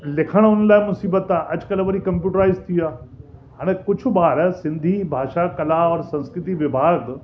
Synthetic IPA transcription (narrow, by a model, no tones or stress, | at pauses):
lɪkʰəɽ̃ʊnlaːɪmʊsiːbət̪aːʔɐd͡ʑkəlʋɐɾikɐ̃mp̬juːʈəɾaːɪzt̪ʰiaːɦaːɽ̃ẽkʊd͡ʑʱʊ̆baːɾsɪ̃nd̪ʱibʱaːʃakɐlaɔːɾsɐ̃nskɾɪt̪̬iʋɪbʱaːɡ